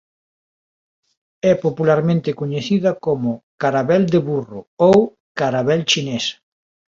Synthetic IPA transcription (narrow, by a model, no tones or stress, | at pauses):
ɛpopulaɾmẽnt̪ɪkoɲeθiðɐkomʊkaɾaβɛld̪eβuroow | kaɾaβɛlt͡ʃines